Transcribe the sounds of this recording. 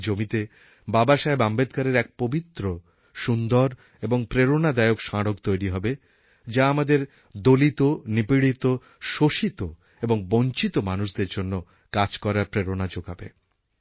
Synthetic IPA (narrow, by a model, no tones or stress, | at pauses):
d͡ʑomit̪e | babaʃaebambed̪kaɾeɾɛk̚pobit̪ːɾo | ʃund̪oɾ | eboŋpɾeɾonad̪aeokʃaɽokt̪ojɾiɦɔbe | d͡ʑaamad̪eɾ | d̪olit̪onipiɽit̪o | ʃoʃit̪o | eboŋboɲt͡ɕit̪omanuʃd̪eɾd͡ʑonːo | kad͡ʑkɔɾapɾeɾonad͡ʑoɡabḛ